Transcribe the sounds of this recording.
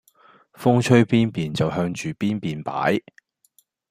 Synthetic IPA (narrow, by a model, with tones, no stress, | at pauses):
fʊ˥ŋt͡ʃʰɵ˥ɥpiː˥npiː˨nt͡sɐ˨wɦœː˧ŋt͡ʃyː˨˩piː˥npiː˨npa̰ː˨˥j